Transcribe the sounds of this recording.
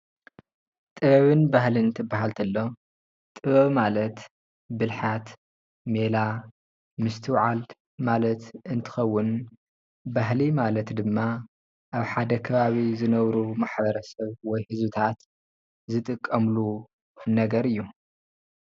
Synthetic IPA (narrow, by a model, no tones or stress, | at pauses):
t̪ʼɨβɐβɨnbahlinɨt̪ʰɨbːaɦalt̪ʰɐlːo̞ | t̪ʼɨβɐβmalɐt̪ | bɨlħat̪ | me̞la | mɨst̪ʰɨwʕal | malɐt̪ɨnt̪ʰɨ̥xɐwːʊn | baɦlimalɐt̪d̪ɨmːa | ʔaβħad̪ɐkʰɐβaβizɨnɐβɾumaħbɐɾɐsɐβwɔjhɨzbɨt̪ʰat̪ | zɨt̪ʼɨkʼːɐmlu | nɐɡɐɾɨjːu